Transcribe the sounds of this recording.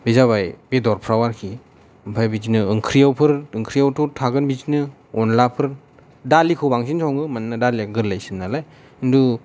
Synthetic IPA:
bizaβajbedɔɾpʰɾawaɾkʰi | ɯmpʰajbid͡ʒinɯːŋkʰɾijawpʰɯɾɯŋkʰɾijawtʰɔtʰaɡɯnbid͡ʒinɯ | ɔnlapʰɯɾ | dalikʰɯwbaŋsinsʰɔwŋɯmannadaliaɡɯɾlːajsinːalaj | ɯndu

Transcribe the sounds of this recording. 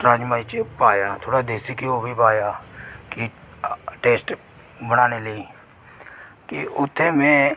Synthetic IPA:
ʈɾãːd͡ʒmaːit͡ʃepaːjaːt̪ʰoːɽad̪eːsikiobʱipaːjaːki | ʈeːsʈ | bəɽ̃aːneləi | kiʊt̪ʰːemẽ

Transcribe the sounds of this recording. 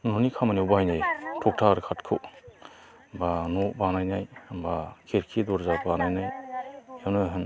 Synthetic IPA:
nɔnikʰamaniwbajnajtʰɔk̚tʰaɾɯkʰatkʰɯw | banɔbanajnajbakʰeɾkʰidɔɾzabanajnajawnɯɦɯn

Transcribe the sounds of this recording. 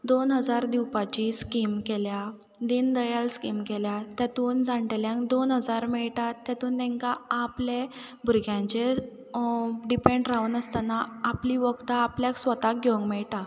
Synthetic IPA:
d̪onɦəd͡zaɾd̪iwpat͡ɕiskimkelja | d̪ind̪əjalskimkeljat̪jat̪uːnd͡zãɳʈeljãŋɡd̪onɦəd͡zaɾmɛɭʈat̪ːjat̪uːnt̪ɛ̃ŋkaaple | bʱuɾɡʱjãɲt͡ɕe | ɖipẽɳɖɾaunəst̪anaapliʋəɡt̪aːpljaksʋət̪ak̚ɡeəŋkmɛɭʈa

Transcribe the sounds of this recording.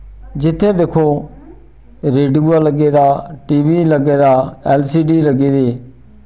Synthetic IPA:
d͡ʒɪt̪ʰːẽːd̪eːkʰoː | ɾeːɖuːaləɡeːd̪aːʈiːʋiːləɡeːd̪aːɛːlsiːɖiːləɡiːd̪eː

